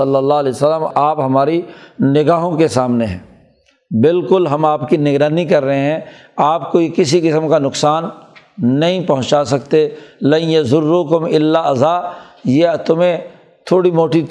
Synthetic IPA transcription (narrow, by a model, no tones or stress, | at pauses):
ɐlːəlːaːleːsəlːəmaːpɦɐmaːɾinɪɡaːɦõkesaːmneɦɛ̰̃ː | bɪlkʊlɦɐmaːpkinɪɡɾaːnikɐɾːɐɦeɦɛ̃ | aːpkojekɪsikɪsəmkanʊksaːnː | ɐɦĩpɐɦʊ̃t͡ʃaːsɐkt̪elɐ̃jɐzʊrːuːkʊmɪlːaɐzaːjet̪ʊmẽ | t̪ʰoːɽimoːʈi